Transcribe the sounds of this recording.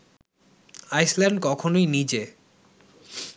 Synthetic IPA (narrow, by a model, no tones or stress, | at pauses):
ajslɛɳɖkɔkʰonojnid͡ʑe